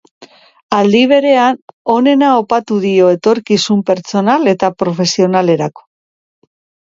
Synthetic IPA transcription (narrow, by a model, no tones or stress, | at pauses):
ald̪iβ̞e̞ɾe̞ano̞ne̞naopat̪uðio̞e̞t̪o̞ɾkisumpe̞ɾt͡so̞nale̞t̪apɾo̞fe̞sio̞nale̞ɾako̥